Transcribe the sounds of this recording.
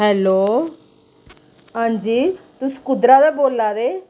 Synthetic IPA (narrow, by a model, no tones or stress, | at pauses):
ɦɛːloː | ɦãːɲd͡ʒiːt̪usə̥kʊd̪ɾaːd̪aːboːlːaːd̪eː